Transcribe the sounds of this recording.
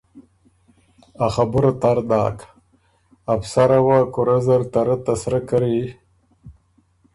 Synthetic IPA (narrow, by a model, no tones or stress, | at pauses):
axabuɾat̪aɾd̪aːk | apsaɾawakuɾazaɾt̪aɾat̪asɾakaɾi